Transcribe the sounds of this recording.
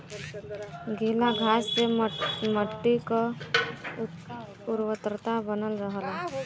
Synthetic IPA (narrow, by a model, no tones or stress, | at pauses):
ɡʱilaɡʱasseməʈːikə | uɾʋət̪ɾət̪abənəlɾəɦəla